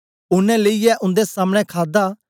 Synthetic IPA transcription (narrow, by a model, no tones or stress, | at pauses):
ʊnɛ̃ləiɛʔʊ̃nd̪esaːməɽ̃ɛ̃kʰaːd̪a